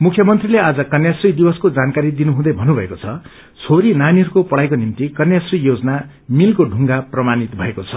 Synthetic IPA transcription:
mukʰjʌmʌnt̪rilead͡zʌkʌnjasrid̪ibʌskod͡zankaɾid̪inuɦũd̪ʌjbʱʌnːubʱʌekot͡sʰʌ | t͡sʰoɾinaniɦʌɾukopʌɽajkonimt̪ikʌnjasrijod͡zʌna | milkoɖʱuŋɡaprʌmanit̪bʱʌekot͡sʰʌ

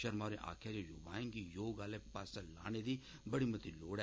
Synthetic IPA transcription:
ʃɐɾmaːɾeʔa̰ːkʰjad͡ʒejʊ̰ːba̰ːẽŋɡijoːɡaːlepaːsala̰ːned̪i | bɐɽimɐt̪iloːɽɛ

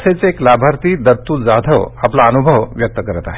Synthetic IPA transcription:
set͡seːklaːbʱaɾt̪id̪ɐɾt̪ud͡zad̪ʱəʋɐplaənubʱəʋʋjɐk̚t̪əkəɾt̪a̰ɦɛ

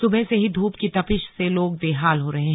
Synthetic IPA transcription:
sʊbəseɦid̪ʱuːpkit̪ɐpɪʃseloːɡ̚d̪eːɦaːlɦoɾɐɦẽɦ

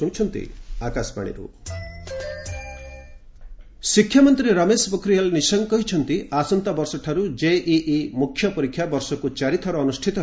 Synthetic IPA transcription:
ũt͡ʃʰɔnt̪ḭakaspa̰ɽ̃ḭɾṵ | sikʰjamɔnt̪ɾiɾɐmesbɔkʰɾiɦalnisɔŋkɔɦit͡ʃʰɔnt̪iʔasɔnt̪abɔɾsɔʈʰaɾud͡ʒeʔiʔimukʰjɔpɔɾikʰjabɔɾsɔkut͡ʃaɾit̪ʰɔɾɔːnusʈʰit̪ɔ

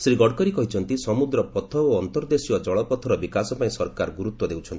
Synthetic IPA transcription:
sɾiɡɔɽkɔɾikɔɦit͡ʃʰɔnt̪isɔmud̪ɾɔpɔt̪ʰɔoɔnt̪ɔɾd̪esiɔd͡ʒɔɭɔpɔt̪ʰɔɾɔbikasɔpaĩsɔɾkaɾɔɡuɾutt̪wɔd̪ewt͡ʃʰɔni

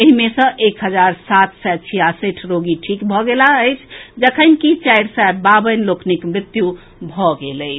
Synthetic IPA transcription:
əɦimesə̃ʔekɦəd͡ʒaɾsat̪ʰsɛt͡ʃʰijasiʈʰɾoɡiʈʰikbʱɔɡelaəjt͡ʃʰd͡ʒəkʰənkit͡ʃaɾsababənlokʰnikmɾɪt̪ju | bʱɔɡeləɪt͡ʃʰ

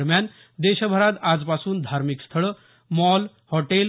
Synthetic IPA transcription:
ɾmjan | d̪eɕbʱəɾat̪ad͡zpasuːnd̪ʱaɾmikst̪ʰəɭə | mɔl | hɔʈel

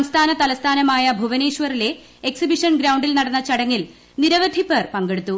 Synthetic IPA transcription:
sɐmst̪ʰaːnɐt̪ɐlɐst̪ʰaːnɐmaːjɐbʱuʋɐne̞ːʂʋɐrile̞ | eksibiʂɐnɡɾɐwɳɖilnɐɽɐnːɐt͡ɕɐɽɐŋːil | niɾɐʋɐd̪ʱipːerpɐŋɡe̞ɽut̪ːu

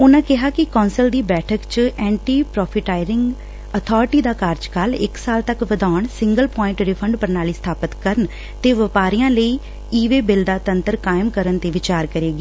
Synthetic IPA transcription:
ʊnãːkɪɦaːkɪkɔ̃ːnsəld̪iːbɛːʈʰəkt͡ʃɛ̃ːɳʈiːpɾɔːpʰɪʈaːɪɾɪŋɡ | ət̪ʰɔːɾɪʈiːd̪aːkaːɾd͡ʒkalɪ̰ksaːlt̪əkʋəd̪aːəɳsɪŋɡəlpɔ̃ːɪ̃ɳʈɾɪpʰəɳɖpəɾnaːliːsət̪ʰaːpət̪kəɾən | t̪eːʋəpaːɾijãːləiː | iːʋeːbɪld̪aːt̪ənt̪əɾkaːɪmkəɾənt̪eːʋɪt͡ʃaːɾkəɾeːɡiː

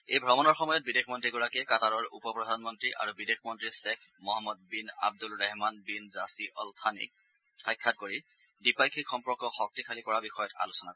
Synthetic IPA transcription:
ejbʱɔmɔnɔɹxɔmɔjɔt̚bidekʰmɔntɹiɡɔɹakɛkataɹɔɹṵpɔpɹɔdʱanmɔntɹiʔa̰ɹubidexʰmɔntɹisɛkʰmɔɦamːɔd̚bina̰b̚dulɹɛɦmanbinzasiʔɔltʰanḭk̚ | xɔjkʰːat̚koɹi | dipajkʰikxɔmpɔkɔxɔk̚tikʰalikɔɹabixɔjɔta̰lusɔnakɔɛ

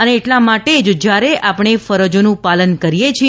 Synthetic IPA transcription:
əneːʈlamaʈed͡ʒd͡ʒjaɾeʔapɽ̃efəɾəd͡ʒonũpalənkəɾijet͡ʃʰi

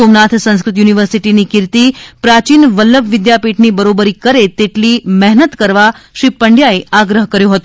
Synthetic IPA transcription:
omnat̪ʰsə̃ñskɾɪt̪juniʋəɾsiʈinikɪɾt̪ipɾat͡ʃinʋəlːəbʋɪd̪japiʈnibəɾobəɾikəɾet̪eʈlimɛɦnət̪kəɾʋaʃɾipːəɳɖjaeaɡɾəɦkəɾjõɦət̪o

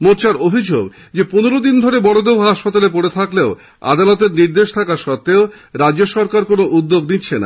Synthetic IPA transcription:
moɾt͡ɕʰaɾobʱid͡ʑoɡ | d͡ʑepuneɾod̪ind̪ʱoɾebɔɽod̪ewɦaʃpat̪alep̬oɽet̪ʰakleo | a̰d̪alɔt̪̬eɾniɾd̪eʃt̪ʰakaʃɔt̪ːeo | ɾadoʃɔɾkaɾkonoʔud̪ːoɡnitːɕʰena̰

